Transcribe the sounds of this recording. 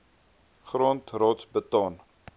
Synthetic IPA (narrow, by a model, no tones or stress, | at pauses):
χɾɔːntrɑːtsbətɑːn